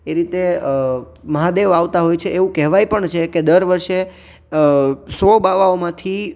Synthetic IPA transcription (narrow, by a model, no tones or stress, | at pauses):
eɾit̪eə | məɦad̪eʋaʋt̪aɦojt͡ʃʰeʔeʋũkɛɦʋajpəɳt͡ʃʰeked̪əɾʋəɾʃe | sobaʋaomãt̪ʰi